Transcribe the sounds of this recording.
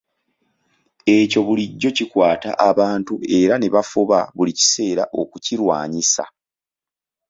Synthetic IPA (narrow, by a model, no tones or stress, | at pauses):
e̞co̞βuliɟːo̞cikwaːta̰ʔaβaːntue̞ɾane̞βafuβaβulici̥se̞ːɾa̰ʔo̞kuciɾwaːɲisa̰